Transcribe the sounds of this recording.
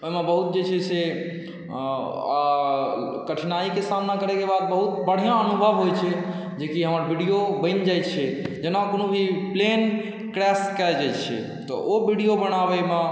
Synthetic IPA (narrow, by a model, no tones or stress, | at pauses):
oimebəɦut̪̚d͡ʒet͡ʃʰɛse | a | kəʈʰnaikesamnakəɾɛkebad̪̚bəɦut̪bəɽ̤ijãənubʱəbɦojt͡ʃʰɛ | d͡ʒekiɦəməɾbʱiɽijobə̃ɪnd͡ʒajt̪t͡ʃʰɛd͡ʒenakonobʱiplen | kɾɛskɛld͡ʒajt͡ʃʰɛ̰ | t̪ɔ̰ʔobʱiɖijobəñabɛme